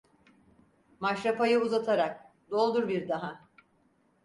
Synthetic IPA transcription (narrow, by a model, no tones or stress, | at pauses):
maʃɾapajɯuzat̪ʰaɾak̚ | d̪o̞lˠd̪uɾbiɾd̪aɦa